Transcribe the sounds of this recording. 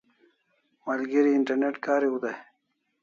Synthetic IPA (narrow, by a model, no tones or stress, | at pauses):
malɡiɾiɪɳʈɐɾneʈkaːɾiud̪aj